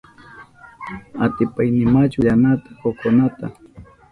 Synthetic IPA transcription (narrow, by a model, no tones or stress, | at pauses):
at̪ɪpajnɪmat͡ʃʊʎanat̪ḁkokonat̪a̰